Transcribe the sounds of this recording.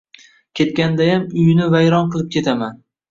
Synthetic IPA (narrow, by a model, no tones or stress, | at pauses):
kʲʰe̞t̪̚kʲand̪ajamʊjɪnɪvajɾɒnqɨlˠɪp̚kʲʰe̞t̪ʰaman